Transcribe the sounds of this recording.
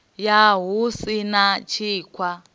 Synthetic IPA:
jaɦusinat͡ʃʰiːkʰwa

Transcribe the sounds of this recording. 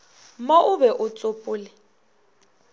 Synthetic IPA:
moʔʊbɛʔʊt͡sʼʊpʼʊːlɪ

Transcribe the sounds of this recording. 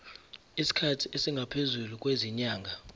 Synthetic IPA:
isi̥kʰatʰiʔesiŋɡʱapʰezuluk̬ʼweziɲaːŋɡʱa

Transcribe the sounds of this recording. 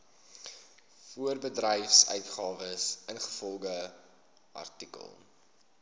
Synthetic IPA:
fuərbədrɛjfsœ̰ɥtχɑːvəsʔənχə̥fɔlˠɡə | ʔɐ̰rtikə̰lˠ

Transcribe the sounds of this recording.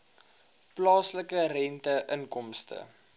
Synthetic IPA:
plɑːsləkərɛntəʔənkɔmstə̰

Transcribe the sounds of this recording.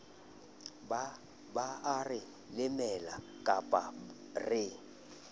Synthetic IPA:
baarɪ | lɪmɛla | kʼapʼa | rɪ

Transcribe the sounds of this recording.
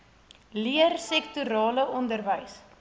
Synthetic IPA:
liərsɛktuɾɑːləʔɔndərvəjs

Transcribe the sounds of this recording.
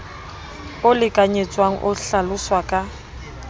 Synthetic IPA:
ʊlɪkʼaɲet͡sʼwaŋ̩ʔʊɬalʊswakʼa

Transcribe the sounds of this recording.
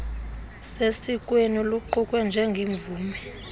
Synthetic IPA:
sesikʼweniluǃʰukʼwɛnd͡ʒʱɛŋɡʱiɱvuːmɛ

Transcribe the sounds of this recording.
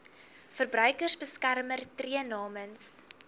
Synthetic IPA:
fərbɾœɥkərsbəskærmərtriənɑːməns

